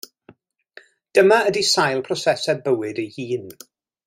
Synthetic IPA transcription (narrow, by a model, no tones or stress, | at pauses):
d̥əmaədisajlˠpʰrɔsɛsɛbəwɪdejhiːn